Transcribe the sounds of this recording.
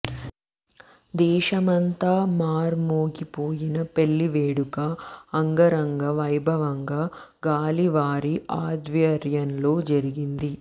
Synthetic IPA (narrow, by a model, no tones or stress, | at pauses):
d̪ɛːʃɐmɐnt̪aːmaːɾmoːɡipoːjinɐpe̞ɭːiʋeːɽukɐːŋɡɐɾɐŋɡɐʋɐjbʱɐʋɐŋɡaː | ɡaːliʋaːɾiʔaːd̪ʋjɐɾjɐnlo̞ːd͡ʒɐɾiɡind̪i